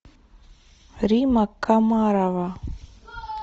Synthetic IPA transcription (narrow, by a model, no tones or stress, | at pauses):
ɾimɐkːamaːɾaʋa